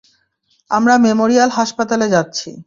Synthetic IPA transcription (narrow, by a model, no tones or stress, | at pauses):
amɾamemoɾialɦaʃpat̪aled͡ʑatːɕʰḭ